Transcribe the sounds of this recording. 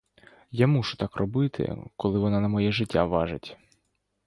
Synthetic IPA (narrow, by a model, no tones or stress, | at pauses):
jamuʃʊt̪ɑkrɔbɪt̪ʰɪ̰kɔlˠɪʋɔnɑnɐmɔjɛʐɪtʲːaʋɑʒɪtʲ